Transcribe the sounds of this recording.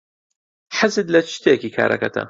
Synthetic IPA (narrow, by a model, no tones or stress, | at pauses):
ħazɨd̪lɐt͡ʃʰt̪ʰeːkiːkʰa̰ːɾʔɐ̰kɐt̪ʰɐ̰